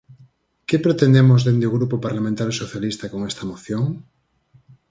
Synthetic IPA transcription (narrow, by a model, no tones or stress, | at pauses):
kepɾet̪end̪emozðend̪eoɣ̞ɾupopaɾlamẽnt̪aɾsoθjalist̪akoŋest̪ɐmoθjoŋ